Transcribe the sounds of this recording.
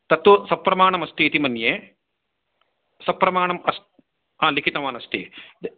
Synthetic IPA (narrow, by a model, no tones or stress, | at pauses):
t̪ɐt̪ʋusɐpːɾɐmaːɳɐmɐst̪iːt̪imɐnjeː | sɐpːɾɐmaːɳɐmɐs | ɦaːlikʰit̪ɐʋaːnɐst̪ḭ